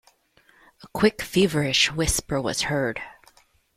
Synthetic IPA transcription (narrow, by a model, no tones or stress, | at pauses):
əkʰw̥ɪkfivə˞ɪʃwɪspə˞wʌ̰z̥hɜ˞d̥